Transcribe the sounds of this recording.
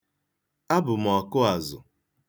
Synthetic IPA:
a˦bʊ˨m̩˨ɔ˨kʊ˦a˨zʊ̰˨

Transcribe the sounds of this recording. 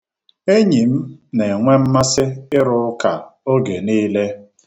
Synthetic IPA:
e˦ɲi˨m̩˦ne˨ŋʷe˦m̩˦ma˦sɪ˦ɪ˦ɾʊ˨ʊ˦ka˨o˦ɡe˨niː˦le˦

